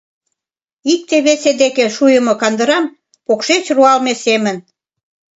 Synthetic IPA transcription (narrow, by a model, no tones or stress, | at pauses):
ik̚t̪eβesed̪ekeʃujə̆mokɑnd̪ə̆ɾɑm | pokʃet͡ɕruɑlmesemə̆n